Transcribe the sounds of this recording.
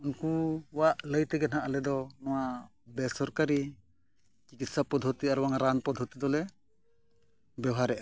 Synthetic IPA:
unkuwaʔləjt̪ɛɡɛnaʔalɛd̪ɔnɔwa | bɛsɔɾkaɾi | t͡ʃikit̪sapɔd̪ʱɔt̪iaɾuwaŋaɾanpɔd̪ʱɔt̪id̪ɔlɛ | bɛwɦaɾɛʔa

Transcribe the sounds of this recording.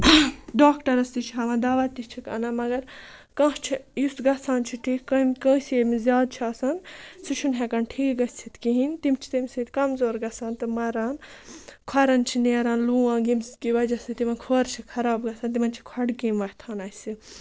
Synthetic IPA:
ɖoːkʈɐɾɐst̪it͡ʃʰiɦɐʋɐ̃ːd̪aːʋɐt̪ːit͡ʃʰikɐ̰ːnɐmɐɡɐɾ | kãːt͡ʃʰijusɡɐsaːnt͡ʃʰiʈʰiːkkɐmkə̃ːsemizʲjaːd̪̚t͡ʃʰiaːsɐnsut͡ʃʰunɦekɐnʈʰiːkɡɐsʲt͡ʃ̪ʰit̪kiɦint̪imt͡ʃʰi̥t̪imsit̪kɐmzoːɾɡɐsaːnt̪ɨmɐɾaːnkʰwɐɾɐnt͡ʃʰineːɾaːnluːãːɡimskiʋɐd͡ʒɐsɨt̪imɐnkʰoːɾt͡ʃʰikʰɐɾaːbɡɐsɐːnt̪̬imɐnt͡ʃʰi̥kʰɐɽkimʋɐt̪ʰaːnɐsi

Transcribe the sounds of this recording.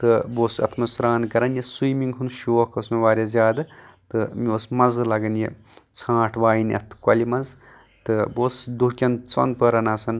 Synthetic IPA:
t̪ɨboːsɐ̰t̪ʰmɐsɾaːnkɐɾɐnjɐsujmiŋɡɦunʃoːkʰosmeʋaːɾʲjezjaːd̪ɨt̪ɨmiosmɐzlɐɡɐnje | t͡sʰãːʈʰʋaːjnɐ̰t̪ʰkɐlimɐz | t̪ɨboːsd̪ukʲɐnt͡so̰nd̪̚pəɾɐnaːsɐn

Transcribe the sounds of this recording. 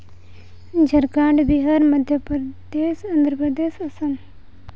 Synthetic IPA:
d͡ʒʱɐɾkãːɳɖbiɦaːɾmɐd̪ʱjəpɾd̪eːsɐnd̪ɾəpɾəd̪eːsɐsɐn

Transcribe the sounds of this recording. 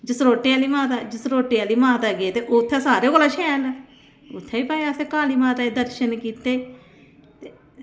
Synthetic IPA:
d͡ʒɪsɾoːʈːiaːliːmaːt̪aːd͡ʒɪsɾoːʈːiaːliːmãːt̪aːɡet̪eːʔot̪ʰːeːsaːɾeːkoːlaːʃʰɛ̃ːl | ʊt̪ʰːeːiːpaːaseːkaːliːmaːt̪aːed̪əɾʃənkiːt̪eː | t̪eː

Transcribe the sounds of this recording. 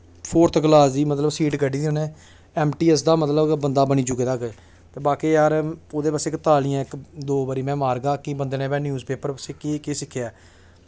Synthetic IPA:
pʰoːɾt̪ʰɡlaːsd̪iːmət̪ləbsiːʈɡəɖiːd̪ioːnẽː | ɛːmʈiːɛs̬d̪aːmət̪ləbbənd̪aːbəniːd͡ʒʊɡeːd̪aːk | t̪eːbaːkeːjaːɾoːd̪eːpaːseːkt̪aːlijãːɪkd̪oːbaːɾiːmɛ̃ːmaːɾɡaːkɪbənd̪eːnẽːbɛ̃ːnjuːzpeːpəɾpəseːkiːkeːsɪkʰːjaː

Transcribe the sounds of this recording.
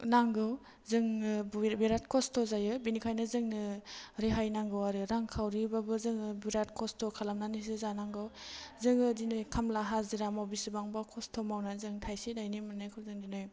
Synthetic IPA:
naŋɡɯw | zɯŋbbiɾat̚kʰɔstʰozajɯbinikʰajnɯzɯŋnɯɾeɦajnaŋɡɯwaɾɯɾaŋkʰawɾibabɯzɯŋɯbiɾat̚kʰɔstʰɔkʰalamnanis̬ɯzanaŋɡɯwzɯŋɯdinɯjkʰamlaɦaziɾamawbisɯbaŋbakʰɔstʰɔmawnazɯŋtʰajsidajnimanɯjkʰɯwzɯŋdinɯj

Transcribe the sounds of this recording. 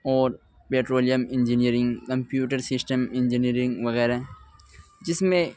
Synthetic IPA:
ɔːɾ | peːʈɾoːlijəmɪ̃nd͡ʒiniəɾɪ̃ŋɡkɐ̃mpjuːʈəɾsɪsʈəmɪ̃nd͡ʒiniɾɪ̃ŋɡʋɐɣɛːɾaɦɛ | d͡ʒɪsmẽ

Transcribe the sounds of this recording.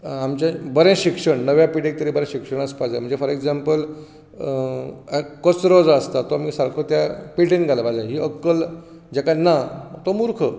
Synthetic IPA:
amt͡ɕabəɾẽɕikʂəɳnəʋjapiʈek̚t̪əɾibəɾẽɕikʂəɳ̃əspad͡zd͡ʑãm̤əɳd͡zefɔɾekd͡zampəl | kət͡sɾod͡zəst̪at̪oamiːsaɾkʰot̪japiʈenɡʱaləbad͡ʑãɦiːəkːəl | d͡ʑekanat̪omuɾkʰə

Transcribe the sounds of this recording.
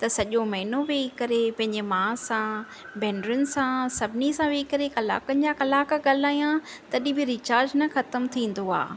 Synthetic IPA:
t̪ɐsɐʄomɐɦɪnoʋeːikɐɾepɐ̃ɦɪ̃ɲd͡ʑemãːsã | bɛːnɖɾʊnɪ̆sãsɐbʱɪnisãʋeːikɐɾekɐla̰ːkənɪ̆d͡ʑakɐlaːkɠaːl̤aːijã | t̪ɐɗĩbɪɾɪt͡ɕaːɾd͡ʑnɐxɐt̪əmt̪ʰĩːn̆d̪oa̰ː

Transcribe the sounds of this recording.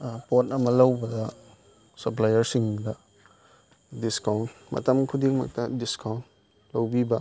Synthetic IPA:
potɐmɐlɐwbɐdɐ | sɐp̬lajɐɾsiŋdɐ | diskawntmɐ̰tɐmkʰudik̚mɐ̰k̚tɐdiskawn | lɐwbibɐ

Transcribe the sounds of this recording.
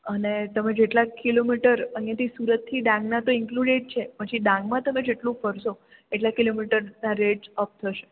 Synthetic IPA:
ənet̪əmẽd͡ʒeʈlakilomiʈəɾəɦjat̪ʰisuɾət̪ʰːiɖãŋɡnat̪oɪŋkluɖeʈ̚t͡ʃʰepət͡ʃʰiɖãŋɡmãt̪əmed͡ʒeʈlũfəɾso | eʈlakilomiʈəɾnaɾeɖd͡ʒəp̚t̪ʰəʃe

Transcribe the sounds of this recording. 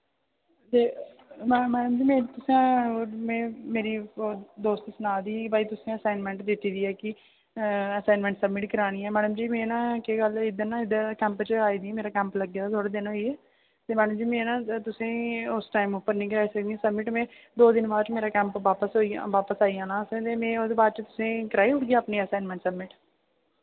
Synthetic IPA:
d̪eː | mmɛːɖəmd͡ʒiːmẽːt̪ʊsẽːmɛ̃ːmeːɾiːd̪oːst̪sənaːd̪iːbaːiːt̪ʊsĩəsaːɪnmɛ̃ːɳʈd̪ɪt̪ːiːd̪iːɛːkɪ | əsaːnmɛ̃ɳʈsəbmɪʈkəɾaːɽ̃iːɛːmɛːɖəmd͡ʒiːmɛ̃ːnãːkeɡəlɪd̪ənãːɪd̪əkɛ̃ːmpt͡ʃəaːiːd̪iɛːmeːɾaːkɛ̃ːmpləɡːeːd̪aːt̪ʰoːɽaːd̪ɪnɦoːiːɛː | t̪eːmɛːɖəmd͡ʒiːmɛ̃ːnãːt̪ʊsẽːʊsʈaːimoːpːəɾnĩːkəɾaːiːsəkd̪iãːsəbmɪʈmɛ̃ː | d̪oːd̪ɪnbaːd̪t͡ʃmeːɾaːkɛ̃ːmpʋaːpəsɦoːiːã̰ʋaːpəsaːiːɦãːnaːsẽːt̪eːmɛ̃ːod̪eːbaːd̪t͡ʃət̪ʊ̥sẽːkəɾaːiːʊʈɡjaːəpniːəːsaːnmɛ̃ɳʈsəbmɪʈ

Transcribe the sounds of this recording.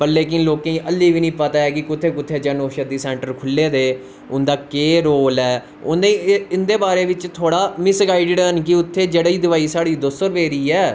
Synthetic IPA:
pəɾleːkɪnloːkẽĩːʔəlːiːʋiːnĩːpət̪aːɛːkɪkʊt̪ʰːeːkʊt̪ʰːeːd͡ʒənoːʃəd̪iːsɛ̃ːɳʈəɾkʰʊlːeːd̪eː | ʊnd̪aːkeːɾoːlɛː | ʊnd̪eɪnd̪eːbaːɾeːʋɪt͡ʃt̪ʰoːɽaːmɪsɡaːiɖɪɽənkɪʊt̪ʰːeːd͡ʒeːɽiːd̪ɪʋaːiːsaːɽiːd̪osəɾʋeːɾiːɛː

